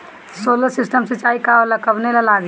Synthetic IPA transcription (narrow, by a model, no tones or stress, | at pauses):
soːləsɪsʈəmsit͡ʃaːikaolakəbnelalaːɡ